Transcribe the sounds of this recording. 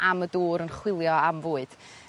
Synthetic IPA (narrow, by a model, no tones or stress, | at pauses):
ʔamədoːɾənχwɪlˠjɔamvoːɨd̥